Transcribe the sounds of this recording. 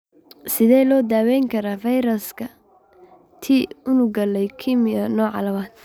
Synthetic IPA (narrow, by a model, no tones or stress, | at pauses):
sɪðɛːlɔːd̪aːwɛŋkʰɐɾaːfɐjɾɐlskʰɐ | t̪ʰiːʊnʊɡɐlɛjkʰimɪɐnɔːʕɑ̰lɐwaːd̪